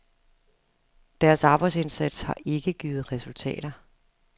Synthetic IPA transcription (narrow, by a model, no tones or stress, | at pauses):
d̥æɐsɑ̈ːb̥ɑ̈ɪse̝nsæd̥shɑ̈ʔe̝ɡ̥əɡ̥iːð̞̩ˠʁɛsult͡sʰɛ̰ːɾ̥ɐ